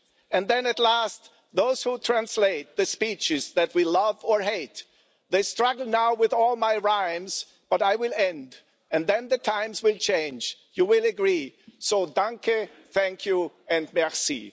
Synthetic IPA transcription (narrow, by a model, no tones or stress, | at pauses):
ɨ̃nðɛ̃nɨtˡlæst̪ | ðoʊz̥hutʰɹ̥æ̃nsleɪt̪̚ðɨspit͡ʃɪzðɨt̚wilʌvə˞ɦeɪt̪ | ðeɪstɹ̥ʌɡl̩ˠnaʊwɪðɔlˠmaɪɹãɪ̃mz̥ | b̥ʌɾaɪwɪlˠɛ̃nd | ɨ̃nðɛ̃nðɨtʰãɪ̃mzwɪlˠt͡ʃʰẽɪ̃nd͡ʒ | jɨwɪlˠɨɡɹisoʊdʌ̃ŋkɨ | θæ̃ŋkʰju | ɨ̃nmɛɹsḭ